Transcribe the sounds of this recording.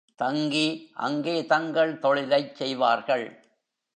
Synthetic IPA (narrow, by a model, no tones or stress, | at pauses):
t̪ɐŋɡiʔɐ̰ŋɡeːt̪ɐŋɡɐɭt̪ɔɭɪlɐɪt͡ʃsɛjʋaːɾɣɐɭ